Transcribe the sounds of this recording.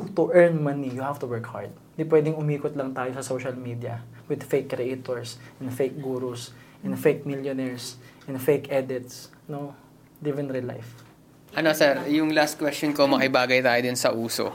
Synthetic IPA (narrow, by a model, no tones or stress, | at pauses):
t̪ʊʔɛɹnmɐnijʊhaft̪ʊwɛɹkha̰ɹd̪̚ | d̪ipwɛːd̪ɪŋʊmiːkʊt̪lɐŋt̪aːjosɐsowʃɐlmiːd̪iɐ̰wɪd̪fejkːɾɛʔet̪oɹsʔɛ̃nd̪fejk̚ɡuɾʊsʔɛ̃nd̪fejk̚miljonɛɹsʔɛ̃nd̪fejkʔɛd̪ɪt̪s | no | lɪvɛnɾɪla̰jf | ʔɐnosɛɾjʊŋlast̪̚kwɛstt͡ʃonkomɐkɪbaːɡɐjt̪aːjod̪ɪnsɐʔuːso̰